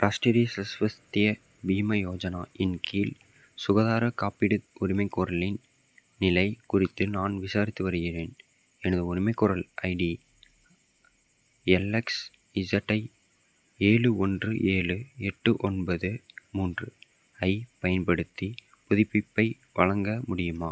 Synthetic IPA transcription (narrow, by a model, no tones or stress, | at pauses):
pɾaːsʈiɾisɐsʋɐst̪ɪjɐ | biːmɐjoːd͡ʒɐnaːʔɪnkʰiːl | sʊɣɐðaːɾɐkaːpɪɽɯʊɾɪmɐɪkːɔɾɐlɪn | nɪlɐɪkʊrɪt̪ːɯnaːnʋɪsaːɾɪt̪ːɯʋɐɾɯɣɪreːn | ɛnɐðɯʊɾɪmɐɪkːɔɾɐlʔɐɪɖi | ɛlːɛks | ɪsɐʈːɐɪ | eːɻɯɔndrɯʔeːɻɯɛʈːɯʔɔnbɐðɯmuːndrɯ | ɐɪpɐjɐnpɐɽɯt̪ːi | pʊðɪpːɪpːɐɪ | ʋɐɭɐŋɡɐmʊɽɪjɯmaː